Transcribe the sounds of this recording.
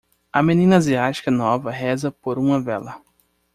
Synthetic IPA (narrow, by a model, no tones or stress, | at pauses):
ɐmenĩnɐaziat͡ʃi̥kɐnɔvɐɦɛzɐpoɾũmɐvɛlɐ